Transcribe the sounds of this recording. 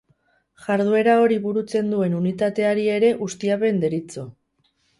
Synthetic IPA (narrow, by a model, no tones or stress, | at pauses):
ʝaɾð̞ue̞ɾao̞ɾiβuɾut͡se̞nd̪ue̞nunit̪at̪e̞aɾie̞ɾe̞ʔust̪iape̞nd̪e̞ɾit͡so̞